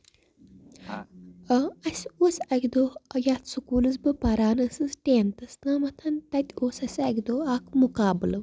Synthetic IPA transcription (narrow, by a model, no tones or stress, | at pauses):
ɐsʲosɐkʲd̪oːɐjaːt̪sukuːlɨzbɨpɐɾaːnɐsɨzʈʲeːnt̪ɨsnaːmɐt̪ʰɐnt̪ɐt̪ʲoːsɐsʲɐkʲd̪oːaːkmukaːbɨlɐʋ